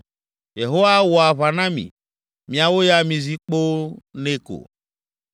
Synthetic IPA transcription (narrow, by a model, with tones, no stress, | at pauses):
je˨ɦo˦wa˦wɔ˨a˨βa˨nã˦mḭ̃˨ | mĩ˨a˨wo˦ja˦mĩ˨zi˦k͡po˦nẽ˦ko̰˨